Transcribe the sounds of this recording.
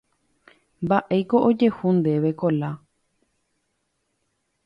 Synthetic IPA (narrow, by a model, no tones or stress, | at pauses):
mbaʔe̞jko̞ʔod͡ʒe̞hund̪e̞ʋe̞kola